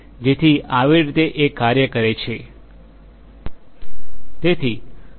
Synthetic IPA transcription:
d͡ʒet̪ʰiaʋiɾit̪eʔekːaɾjəkəɾet͡ʃʰe | t̪et̪ʰi

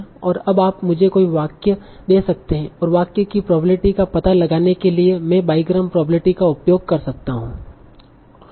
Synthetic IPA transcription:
ɔːɾɐbaːpmʊd͡ʒʱekoːiʋaːkjə | d̪eːsɐk̚t̪eɦɛ̃ɔːɾʋaːkjəkipɾɔːbɾɪʈikapɐt̪alɐɡaːnekeliemɛ̃baːiɡɾəmpɾɔːbɾɪʈikaʊpjoːɡ̚kɐɾsɐk̚t̪aɦũː

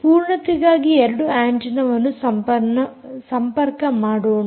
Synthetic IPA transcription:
puːɾɳɐt̪iɡaːɡieɾɐɽuaːɳd͡ʒinɐʋɐnːusɐmpɐnɐsɐmpɐɾkɐmaːɽoːɳ

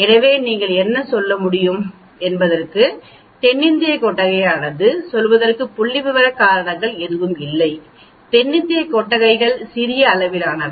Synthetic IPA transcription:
ɛnɐʋeːniːŋɡɐɭɛnːɐsɔlːɐmʊɽɪjɯm | ɛnbɐðɐrkɯ | t̪ɛɳːɪnd̪ɪjɐkːɔʈːɐɣɐɪaːnɐðɯsɔlʋɐðɐrkɯpːʊɭːɪʋɯʋɐɾɐkaːɾɐɳɐŋɡɐɭɛðɯʋɯmɪlːɐɪ | t̪ɛɳːɪnd̪ɪjɐkːɔʈːɐɣɐɪɣɐɭsɪɾɪjɐːlɐʋɪlaːnɐ

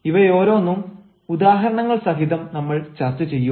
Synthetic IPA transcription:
iʋɐjo̞ːɾo̞ːnːum | ud̪aːɦɐɾɐɳɐŋːɐɭsɐɦiðɐmnɐmːɐɭt͡ɕɐrt͡ɕɨt͡ɕe̞jːu

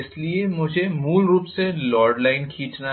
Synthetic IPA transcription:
ɪsliemʊd͡ʒʱemuːlɾuːpselɔːɾɖlaːɪnkʰiːt͡ʃna

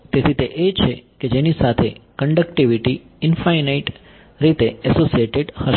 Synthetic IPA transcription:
t̪et̪ʰit̪eʔet͡ʃʰeked͡ʒenisat̪ʰḛkəɳɖəkʈiʋiʈi | ɪnfainaiʈ | ɾit̪eɛsosieʈeɖhəʃ

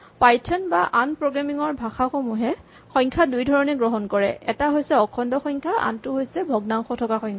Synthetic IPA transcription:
pajtʰɔnbaʔanpɹoɡamiŋɔɹbʱaxaxomuɦɛ | xɔjŋkʰadujdʱɔɹɔnɛɡɹɔɦɔnkɔɹɛ̰ʔɛtaɦojsɛɔkʰɔndɔxɔjŋkʰaʔa̰ntʊɦojsɛbʱɔɡnaŋxɔtʰɔkaxɔŋʰ

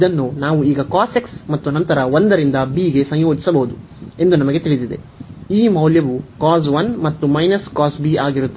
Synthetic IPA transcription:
id̪ɐnːunaːʋuiːɡɐkaːseksmɐt̪ːuɐnɐnt̪ɐɾɐʋond̪ɐɾind̪ɐbiːɡe̞sɐɲjoːd͡ʒi̥sɐbɐɦud̪u | e̞nd̪unɐmɐɡe̞t̪iɭid̪id̪e | iːmɐwljɐʋukaːz̬ʋɐnmɐt̪ːumɐjnɐskaːsbiaːɡiɾut̪ːe

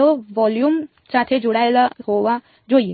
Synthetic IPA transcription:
oʋɔljuːm | sat̪ʰed͡ʒuɽajlaɦoʋa | d͡ʑoːie

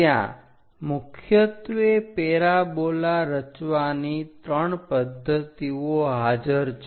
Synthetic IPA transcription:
jã̰ | mʊkʰjət̪ʋepeɾabolaɾət͡ʃʋanit̪ɾəɳpəd̪ʱːət̪ioɦad͡ʒəɾt͡ʃ

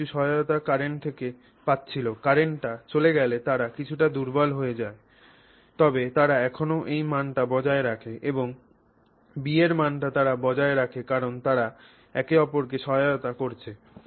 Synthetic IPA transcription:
uʃɔɦaot̪akaɾeɳt̪ʰeke | pat̪ːɕʰilokaɾeɳʈʈat͡ɕoleɡɛlet̪aɾakit͡ɕʰuʈad̪uɾbɔlɦojed͡ʑae | t̪ɔbet̪aɾaɛkʰonoʔejmanʈabɔd͡ʑaeɾakʰeʔeboŋ | bieɾmanʈat̪aɾabɔd͡ʑaeɾakʰekaɾont̪aɾa | ɛkeɔpoɾk̬eʃɔɦajaot̪akoɾt͡ɕʰe

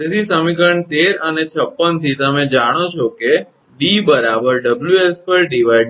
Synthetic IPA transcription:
et̪ʰisəmikəɳt̪eɾənet͡ʃʰəpːənt̪ʰit̪əmẽd͡ʒaɽ̃ot͡ʃʰoke | ɖibəɾabəɾɖəbljuespəɾɖiʋaj

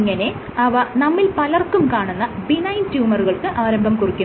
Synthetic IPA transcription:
ŋːɐne̞ | ɐʋɐnɐmːilpɐlɐrkːumkaːɳunːɐbinɐjintjuːmɐruɣɐɭkɨʔaːɾɐmbʱɐmkurikʲːu

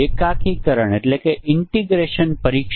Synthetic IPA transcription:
ekakʰikəɾəɳeʈlekeʔɪɳʈiɡɾeʃənpəɾikʃ

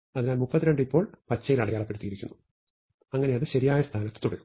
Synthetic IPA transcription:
ɐðinaːlmupːɐt̪ːiɾe̞ɳɖipːo̞ːɭpɐt͡ɕːɐjilɐɽɐjaːɭɐpːe̞ɽut̪ːijiɾikʲːunːu | ɐŋːɐne̞jɐðɨɕɐɾijaːjɐst̪ʰaːnɐt̪ːɨ̥t̪uɽɐjum

